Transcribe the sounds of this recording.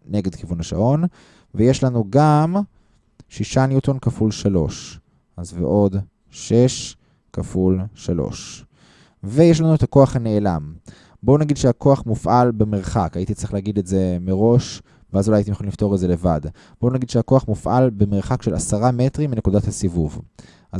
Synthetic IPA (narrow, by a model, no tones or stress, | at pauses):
ne̞ɡe̞d̪kivunaʃa̰ʔo̞n | vejeʃlanuɡam | ʃiʃanjut̪o̞nkafulʃalo̞̰ʃ | ʔazvḛʔo̞d | ʃe̞ʃ | kafulʃalo̞̰ʃ | vejeʃ̬lanuet̪ako̞aχhane̞ːla̰m | bo̞naɡid̪ʃehako̞aχmufʔalbemeʁχakait̪itt͡sʁi̥χleaɡid̪etze̞meʁo̞ʃ | beazulajajitimjoolilifto̞ʁeze̞le̞va̰d | b̥onaɡid̪ʃeako̞aχmufʔa̰lbemeʁχakʃe̞la̰saʁame̞tʁimːine̞kudathasivuv | ʔa